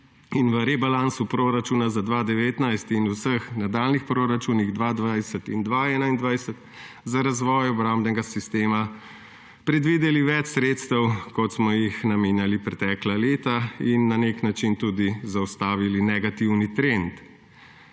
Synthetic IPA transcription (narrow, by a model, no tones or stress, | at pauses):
inʋəɾɛbalaːnsupɾoɾat͡ʃuːnazad̪ʋaːd̪ɛʋeːt̪najst̪inusəxnad̪aːlnixpɾoɾat͡ʃuːniɣd̪ʋaːd̪ʋajsət̪ind̪ʋaɛnaind̪ʋajsət̪ | zaɾazʋɔːjɔbɾambnɛɡasist̪eːma | pɾɛd̪ʋid̪ɛliʋɛt͡ʃsɾeːt̪st̪əwkɔt̪smɔjixnameːnjalipɾɛt̪ɛklaleːt̪ainːaneknat͡ʃint̪uːd̪izawst̪aːʋilinɛɡat̪iwnit̪ɾent̪